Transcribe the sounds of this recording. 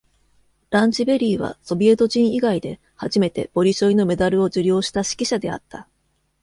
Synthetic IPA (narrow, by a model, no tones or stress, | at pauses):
ɾãɲ̟t͡ɕibe̞ɾʲiːβ̞a̰so̞bʲie̞t̪o̞ʑĩɰ̃iɡaid̪e̞ | haʑime̞t̪e̞̰b̥o̞ɾʲiɕo̞ino̞me̞d̪aɾɯ̟o̞d͡ʑɨɾʲo̞ːɕi̥t̪aɕi̥kʲiɕad̪e̞a̰t̪ːa